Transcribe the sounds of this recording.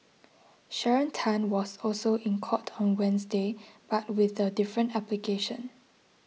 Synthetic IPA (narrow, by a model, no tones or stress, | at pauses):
ʃɛɹə̃ntʰãnwɔsɔlsoʔĩnkʰɔtʰɔ̃nwɛ̃nsdeb̥at̚wɪθədɪfɹə̃ntaplikʰeʃə̃n